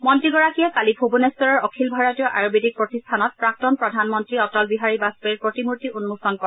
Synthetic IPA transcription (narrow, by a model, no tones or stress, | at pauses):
mɔntɹiɡɔɹakijɛkalibʱobunestɔɹɔɹɔkʰilbʱaɹɔtijɔʔaɹobidik̚pɹotistʰanɔt̚pɹak̚tɔnpɹɔdʱanmɔntɹiɔtɔlbiɦaɹibaspeɹpɹotimuɹtiunːusɔnkɔ